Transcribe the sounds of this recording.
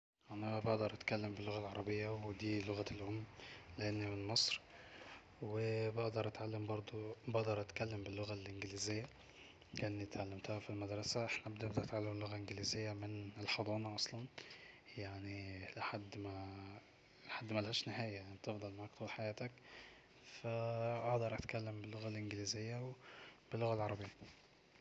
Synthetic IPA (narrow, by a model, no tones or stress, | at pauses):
ʔænæbeʔd̪ɑɾˤʔæt̪kælːembelːoɣælʕɑɾˤɑbejːæwed̪iːlːoɣælːhomːleʔenːimenmesˤɾ | webeʔd̪ɑɾˤʔæt̪ʕalːembɑɾˤd̪ˤubeʔd̪ɑɾˤʔæt̪kælːembɪlːoɣælʔenɡɪliːzɪjːæ | leʔænːit̪ʕalːæmt̪æhæfilmæd̪ɾˤɑsæʔeħnæʔbd̪eʔd̪æʔæt̪ʕalːemlːoɣæʔenɡelizejːæmɪnelħɑd̪ˤɑːnɑʔɑsˤlɑnjaʕnilɪħad̪ːmæ | lħad̪ːmælhæːʃnɪɦæːjæjnit̪efd̪ˤɑlmaʕakt̪uːlħajæːt̪æk | fæʔɑʔd̪ɑɾˤʔæt̪kælːembɪlːoɣælʔenɡliːzejːæwb̥ɪlːoɣælʕɑɾˤɑbejːæ